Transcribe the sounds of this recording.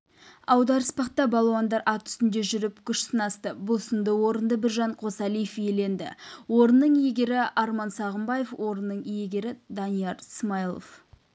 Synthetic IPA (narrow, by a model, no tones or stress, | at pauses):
ɑwd̪ɑɾəspɑq̚t̪ɑbɑlˠɑwɑnd̪ɑɾʔɑt̪ʰʏ̥st̪ɪnd̪e̞ʒʏɾɪpkʲʰʏʃsənɑst̪əbʊlˠsənd̪əwo̞ɾənd̪əbɪɾʒɑɴqʰo̞sɑlijefje̞le̞nd̪ɪ̰wo̞ɾənːəɴijeɡʲe̞ɾɪʔɑɾmɑnsɑʁəmbɑje̞fwʔo̞ɾənːəɴjeɡʲe̞ɾɪd̪ɑnijɑɾɪsmɑjlˠo̰f